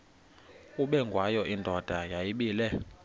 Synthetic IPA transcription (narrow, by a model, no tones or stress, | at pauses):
uɓɛŋɡʱwajɔʔindʱɔd̥ʱajajiɓiːlɛ